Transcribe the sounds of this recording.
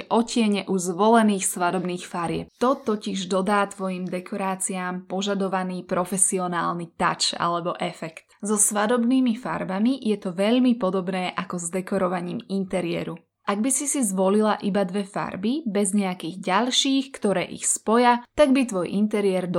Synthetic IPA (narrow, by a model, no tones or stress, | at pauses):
ʔɔcɪɛɲɛʔuzʋɔlɛniːxsʋad̪ɔbniːxfaɾɪɛ̰p̚t̪ɔt̪ɔciʒd̪ɔd̪aːt̪ʋɔjimd̪ɛkʰɔɾaːt͡siaːmpɔʒad̪ɔʋaniːpɾɔfɛsiɔna̰ːlnit̪a̰t͡ʃa̰lɛbɔʔɛfɛkt̪zɔsʋad̪ɔbniːmifa̰ɾbamijɛt̪ɔʋɛʎmipɔd̪ɔbnɛːʔakɔzd̪ɛkɔɾɔʋaɲiːmint̪ɛɾɪɛ̰ɾu | ʔaɡbisisizʋɔlilaʔibad̪ʋɛfa̰ɾbibɛzɲɛakiːɣɟaʎʃiːxkt̪ɔɾɛːʔḭxspɔjat̪aɡbit̪ʋɔjʔint̪ɛɾiɪɛɾd̪